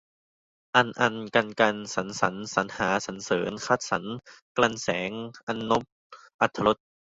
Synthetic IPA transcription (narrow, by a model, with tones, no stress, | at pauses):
ʔa˧nʔa˧nka˧nka˧nsa˩˦nsa˩˦nsa˨˦nhaː˩˦sa˩˦nsɤː˩˦nkʰa˧˥˩t̪̚sa˩˦nkla˧nsɛː˩˦ŋʔa˧nːo˦˥p̚ | ʔa˧˩t̪ʰːa˧lo˦˥t̪̚